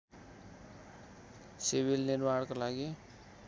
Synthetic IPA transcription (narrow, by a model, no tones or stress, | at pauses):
siβilniɾmaɽkolaɡi